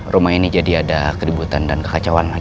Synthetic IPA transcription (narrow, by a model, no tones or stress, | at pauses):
rumainid͡ʒadiadakəɾibut̪andankə̥kat͡ʃawanla